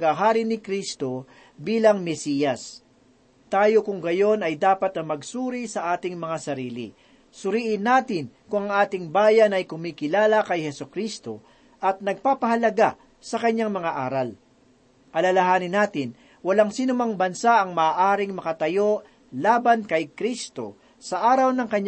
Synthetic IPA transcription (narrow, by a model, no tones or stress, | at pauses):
ɐɡaɦaːɾɪnɪkɾist̪o̞ | biːlɐŋmɛsiːjɐs | t̪aːjo̞kʊŋɡɐjo̞nɐjd̪aːpɐt̪̚nɐmɐɡsuːɾisɐʔaːt̪ɪŋmɐŋasɐɾiːlɪ̰ | sʊɾiːʔɪnːaːt̪ɪnkʊŋɐŋʔaːt̪ɪŋbaːjɐnɐjkʊmiːkɪlaːlɐkɐjhɛsʊkɾist̪o̞ | ʔɐt̪̚nɐɡ̚paːpɐhɐlɐɡa | sɐkɐɲːaŋmɐŋaʔaːɾɐl | ʔɐlɐlɐɦaːnɪnːaːt̪ɪn | wɐlaŋsiːnʊmaŋbɐnsaʔɐŋmɐːʔaːɾɪŋmɐkɐt̪ɐjo̞ʔ | laːbɐnkɐjkɾist̪o̞̰ | sɐʔaːɾɐwnɐŋkɐɲ